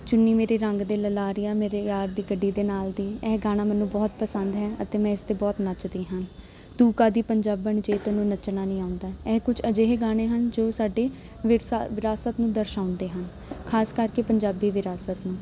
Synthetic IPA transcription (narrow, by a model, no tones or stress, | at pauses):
t͡ʃʊnːiːmeːɾeːɾəŋɡd̪eːləlaːɾijãːmeːɾeːjaːɾd̪iːɡəɖːiːd̪eːnaːld̪iːɛːɦɡaːɽ̃aːmɛːnũːbɔːt̪̚pəsənd̪ɦɛːʔət̪eːmɛ̃ːɪst̪eːbɔːt̪nət͡ʃd̪iːɦən | t̪uːkaːd̪iːpəɲd͡ʒaːbəɳd͡ʒeːt̪onũːnət͡ʃnaːnĩːaːʊ̃nd̪aːɛːkʊt͡ʃʰəd͡ʒeːɦeɡaːɽ̃eːɦənd͡ʒoːsaːɖeː | ʋɪʋɪɾaːsət̪nũːd̪əɾʃaːʊ̃nd̪eːɦən | kʰaːskəɾkeːpəɲd͡ʒaːbiːʋɪɾaːsət̪nũː